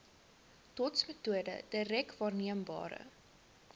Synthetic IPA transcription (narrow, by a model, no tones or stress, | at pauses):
tɔtsmətuədə̰d̥əɾɛkvɑːrniəmbɑ̰ːɾə̰